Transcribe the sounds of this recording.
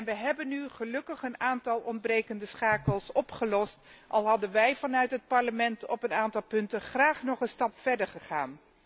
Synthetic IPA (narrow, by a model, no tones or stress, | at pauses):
nʋəɦɛbənːyχəlɵkəχənaːntɑlˠɔnd̚brejkəndəsχaːkəlˠsɔpχəlɔstʔɑ̰lˠɦɑdənʋɛjvɑnœɥtɦət̚pɑɹləmɛntɔpənaːntɑlˠpɵntəχraːχnɔχənstɑpfɛɹdəɹχəχaːn